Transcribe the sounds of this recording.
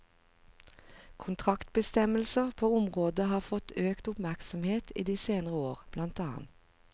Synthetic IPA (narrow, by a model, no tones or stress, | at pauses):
kʰʊnt̪ʰʁɑkt̪̚bəst̪ɛməlsəʁpʰoːʊmʁoːd̪əhɑːfɔt̪ʰøːkt̪ʊpmæʁksɔmheːt̪ʰḭːd̪iːseːnəʁəoːʁb̥lɑnt̪ɑːɑ̰nt̪